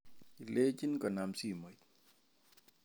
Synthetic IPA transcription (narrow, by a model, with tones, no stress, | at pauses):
i˨le˦t͡ʃi˦nkɔ˨na˨msi˦˨mo˨t̪̚